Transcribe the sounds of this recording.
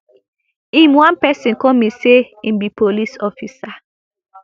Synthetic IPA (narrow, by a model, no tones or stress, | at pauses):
imwãnpɛsĩnkɔmiseimbipolisɔfisa